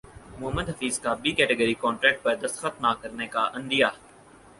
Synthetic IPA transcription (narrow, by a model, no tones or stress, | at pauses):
mʊɦəmːəd̪ɦɐfiːzkabiːkɛːʈeɡəɾikɔːɳʈɾɛːk̚ʈ̚pɐɾd̪ɐst̪xət̪̚naːkɐɾnekaʔɐ̃nd̪ijaː